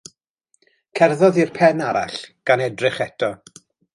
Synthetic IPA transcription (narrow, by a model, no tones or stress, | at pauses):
kʰɛrðɔðirpʰɛnaɾa̰ɬɡ̥anɛdrɪχɛtʰɔ